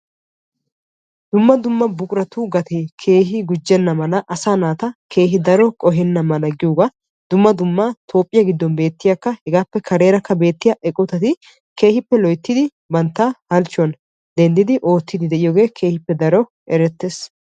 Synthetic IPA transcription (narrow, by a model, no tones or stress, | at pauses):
d̪̥ʊmːɐd̪ʊmːɐbʊkʼɾɐt̪uːɡɐt̪ɛkʰe̞ːɦɪɡʊd͡ʒːɛnːɐmɐlɐʔɐsaːnaːt̪ɐkʰe̞ːɦɪd̪ɐɾɔkʼɔɦɛnːɐmɐnɐɡɪjuːɡɐ | d̪̥ʊmːɐd̪ʊmːɐt̪ʰo̞ːpʼːɪjɐɡɪd̪ːɔnbe̞ːt̪ːɪjakːɐhɛɡaːpːɛkʰɐɾe̞ːɾɐkːɐbe̞ːt̪ːɪjɐʔɛkʼʊt̪ɐt̪ɪ | kʰe̞ːhɪpːɛlɔjt̪ːɪd̪ɪ | bɐnt̪ːahɐlt͡ʃːɔn | d̪ɛnd̪ɪd̪ɪʔo̞ːt̪ːɪd̪ɪd̪ɛʔɪjoːɡe̞ːkʰe̞ːhɪpːɛd̪ɐɾɔ | ʔɛɾɛt̪ːeːs